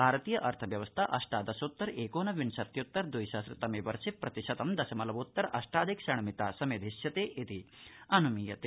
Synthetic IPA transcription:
bʱaːɾɐt̪iːjɐʔɐɾt̪ʰɐʋjɐʋɐst̪ʰɐʔɐʂʈaːd̪ɐsoːt̪ːɐɾeːkoːnɐʋinʃɐt̪jut̪ːɐɾd̪ujʃasɾɐt̪ːɐmeːʋɐɾʃipɾɐt̪iʃɐt̪ɐmd̪ɐsɐmɐlɐʋut̪ːɐɾʔɐ̰ʂʈaːd̪ʱikʃɐɳ̃ɐmit̪aːsɐmed̪ʱiʃjɐt̪eːʔit̪iɐnumijɐt̪e

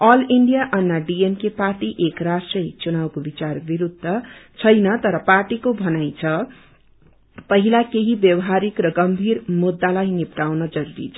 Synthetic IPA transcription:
ʌliɳɖijaʔʌnːaɖiemkeparʈiʔekrasʈrʌit͡sunabkobit͡sarbiɾud̪ʱːʌt͡sʰʌjnʌt̪ʌɾʌparʈikobʱʌnajt͡sʰʌ | pʌɦilakeɦibjʌwʌɦaɾikrʌɡʌmbʱirmud̪ːalajnipʈawnʌd͡zʌɾuɾḭt͡sʰʌ

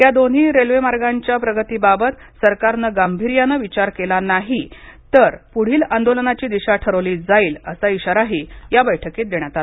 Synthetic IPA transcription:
t̪jad̪on̤iːɾelʋemaɾɡaɲt͡ɕjapɾəɡət̪iːbabət̪ | səɾkaɾnəɡambʱiɾjanəʋit͡ɕaɾkelanaɦit̪əɾpuɽ̤iːland̪olənat͡ɕiːd̪iɕaʈʰəɾəʋliːd͡zaiːləsaiɕaɾaɦiːjabəjʈʰəkiːt̪̚d̪eɳ̃jat̪ala

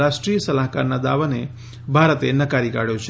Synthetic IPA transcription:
aʃʈɾijəsəlaɦkaɾnad̪aʋəne | bʱaɾət̪enəkaɾika̰ɽjot͡ʃʰ

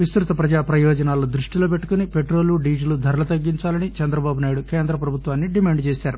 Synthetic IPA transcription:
ʋist̪ɾut̪ɐpɾɐd͡ʒaːpɾɐjɔːd͡ʒɐnaːlod̪ɾuʂʈilo̞ːpe̞ʈːu̥kunipeʈɾo̞ːluɖiːd͡ʒɐlud̪ʱɐɾɐlɐt̪ɐɡːiɲt͡ʃaːlɐnit͡ʃɐnd̪ɾɐbaːbunaːjiɽuke̞ːnd̪ɾɐpɾɐbʱut̪ʋaːnːiɖimaːɳɖt͡ʃe̞ːsaːɾu

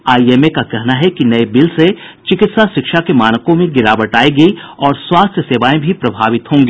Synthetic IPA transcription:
aːieːmekakɛɦnaɦɛkinɐebɪlset͡ʃɪkɪt̪saʃɪkʃakemaːnəkõmẽɡɪɾaːʋəʈaːiɡɐiɔːɾswaːst̪ʰjəseːʋaːẽbʱipɾɐbʱaːʋɪt̪ɦõːŋɡeː

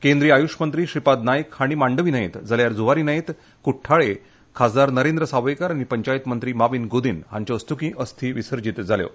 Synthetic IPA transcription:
kẽnd̪ɾiːajuʂmənt̪ɾiːɕipad̪najkhaɽ̃imaɳɖəʋiːnaĩt̪d͡zaljaɾd͡zuʋaɾiːnaĩt̪ | kuʈʰːaɭe | kʰad͡zaɾnəɾend̪ɾəsaʋəjkaɾaɽ̃ipəɲt͡ɕajit̪mənt̪ɾiːmaʋiːnɡod̪inɦaɲt͡ɕaəst̪ʰukĩːʔəst̪ʰiːʋisəɾd͡ʑit̪d͡zʱaljo̰

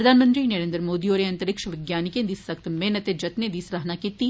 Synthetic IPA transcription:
ɾɐd̪ʱaːnmə̃nt̪ɾinɛɾẽːnd̪ɾmoːd̪ioːɾeɐ̃nt̪əɾɪkʃəʋɪɡjaːnɪkẽd̪iːsɐkt̪meːnət̪ed͡ʒɐt̪nẽd̪isɾɐɦnakiːt̪i

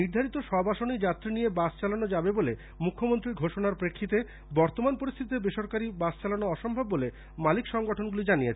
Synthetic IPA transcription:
niɾd̪ʱaɾit̪oʃɔbaʃonid͡ʑat̪ːɾinijebast͡ɕalanod͡ʑabebole | mukʰːomont̪ɾiɾɡʱoʃonaɾpɾekʰːit̪e | bɔɾt̪omanpoɾist̪ʰit̪ebeʃoɾkaɾibast͡ɕalanoɔʃombʱabːole | malikʃɔŋɡoʈʰonɡulid͡ʑanijet͡ɕʰ

